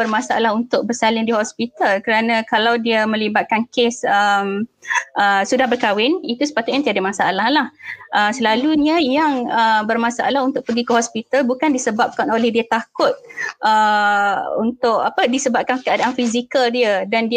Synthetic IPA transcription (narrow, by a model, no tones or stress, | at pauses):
bərmãsaalaɦunt̪ʊk̚bəsalɪŋdihɔspit̪alkəɾanãkalawdiamə̃libat̪̚kankesəmʔəsudahbərkawɪnit̪usə̥pat̪ʊʔ̪̚jãŋt̪iadamãsaa̰lahlahʔəsəlaluɲə̃jaŋəbərmãsaʔalaɦunt̪ʊʔ̚pəɡikəɦɔspit̪albukandisəbap̚kanolɛhdiət̪akʊt̪̚ʔə | unt̪ʊʔapədisəbap̚kankəadaʔanfizikəldiədandi